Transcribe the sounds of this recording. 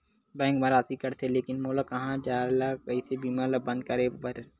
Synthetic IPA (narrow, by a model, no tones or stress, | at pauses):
bɛ̃ːŋkmɐɾaːt̪ikɐɾt̪ʰeleːkɪnmoːlakɐɦãd͡ʒaːlakɐisebiːmaːlabɐ̃nd̪̚kɐɾebɐɾ